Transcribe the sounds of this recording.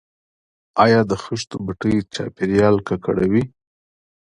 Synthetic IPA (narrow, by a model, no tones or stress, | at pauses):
ɑjɑd̪əxʊʃt̪obaʈəjt͡ʃɑ̰peɾjɑlkaka̰ɽawi